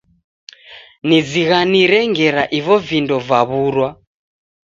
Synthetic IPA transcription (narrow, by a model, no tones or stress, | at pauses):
nid͡ziɣaniɾɛŋɡɛɾaʔiβɔvindɔvaβuɾwa